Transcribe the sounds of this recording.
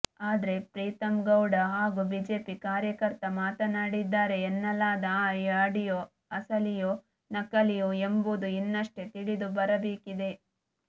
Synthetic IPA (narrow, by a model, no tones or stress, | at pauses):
aːd̪ɐɾe̞pɾiːt̪ɐmɡɐwɖɐɦaːɡubiːd͡ʒe̞ːpikaːɾjɐkɐɾt̪ɐmaːt̪ɐnaːɽid̪ːaːɾe̞ːnːɐlːaːd̪ɐjaːɽijo | ɐsɐlijo | nɐkɐlijoembud̪uinːɐʂʈe̞t̪iɭid̪ubɐɾɐbeːkid̪e̞